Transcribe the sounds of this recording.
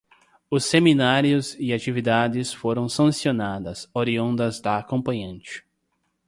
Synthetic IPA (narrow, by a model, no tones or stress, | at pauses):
ʊsːeminaɾjʊzɪat͡ʃivid̪ad̪ɪsfoɾɐ̃w̃sɐ̃sionad̪ɐsoɾiõnd̪ɐzd̪ɐːkõmpɐ̃ɲɐ̃nt͡ʃɪ̥